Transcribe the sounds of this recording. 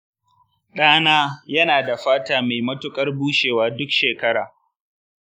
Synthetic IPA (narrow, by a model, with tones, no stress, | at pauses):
ɗaː˦naː˦jɐ˦naː˨da˨ɸaː˦taː˦me˨jmɐ˦tʊ˦kʼɐ˦rbuː˦ʃeː˨waː˦dʊ˦kʃeː˨kɐ˦ɽaː˨